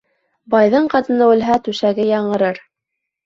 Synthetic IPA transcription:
bɑjðɤɴqɑt̪ɤ̆nɑɘ̆lɦæt̪ʉʃæɡɘjɑɴɤ̆ɾɤɾ

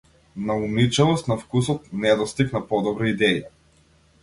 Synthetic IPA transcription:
naunit͡ʃɛlˠɔst̪nafkus̬ɔt̪nɛd̪ɔst̪iknapɔd̪ɔbɾiid̪ɛi

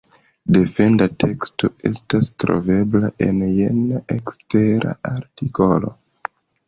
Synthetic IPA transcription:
de̞fe̞ndatʰe̞ksto̞e̞̰stastɾo̞̰ve̞blaʔe̞njenaʔeksteɾa̰aɾtiko̞lo̞

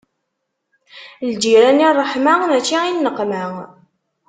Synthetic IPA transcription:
ld͡ʒiɾænirˤːəħmanæt͡ʃːiinːəqːmæ

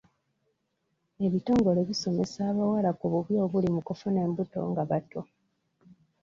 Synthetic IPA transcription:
e̞βito̞ːŋɡo̞le̞βiso̞me̞saːβawalakuβuβjo̞ːβulimukufune̞ːmbuto̞̰ŋɡaβato

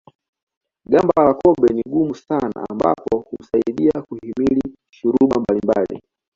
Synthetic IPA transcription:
ɡambalawakɔɓɛniɡumusana̰ːmba̰pɔhum̩saiɗiakuhimili | ʃuɾuɓambalimbalḭ

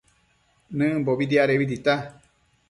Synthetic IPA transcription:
nɨ̃boβid̪iaɾeβid̪it̪a

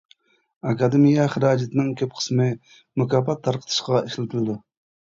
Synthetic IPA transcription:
ɑkɑd̪emijɛχəɾɑːd͡ʒɪt̪ʰɪnɪŋkʲʰøp̚qʰə̥smɪ | mukʰɑːpɑt̪ʰːɑɾqʰə̥t̪ʰɨ̥ʃqʁɑʔeʃlɪt̪ʰɪlɨd̪u

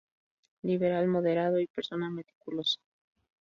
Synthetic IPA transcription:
liβeɾalmo̞ðe̞ɾaðoipeɾso̞name̞t̪i̥kulo̞sḁ

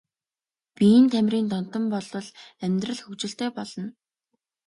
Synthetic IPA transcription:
pij̆nt̪ʰæmʲriːnt̪ɔn̥t̪ɞ̆mpɔɮɞ̆ɮæmʲt̪rə̆ɮxɵkt͡ɕɪ̆ɬt̪eːpɔɮɞ̆n

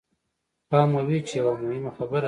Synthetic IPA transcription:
pɑːmawit͡ʃejawamohɪmaxabəɾa

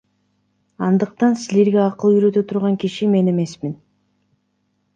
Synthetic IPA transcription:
ɑnd̪ɯq̚t̪ɑnsile̞ɾɡeɑqɯlˠyjɾø̞t̪øt̪ʰuɾʁɑŋkiʃime̞ne̞me̞smin

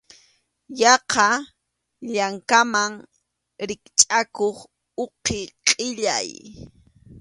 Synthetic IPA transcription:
jɑqɑ | ʎaŋkamaŋ | ɾɪkt͡ʃʼakoχ | oqeqʼɪʎa̰j

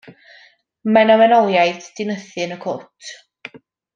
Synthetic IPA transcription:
mɛnɔmɛnɔlˠjajθd̥ɪnəθɨnəkʰʊtʰ

